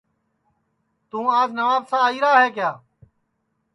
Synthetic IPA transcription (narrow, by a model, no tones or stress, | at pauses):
t̪ũːaːd͡ʒnəʋaːbsãːiːɾaːɦeːkjaː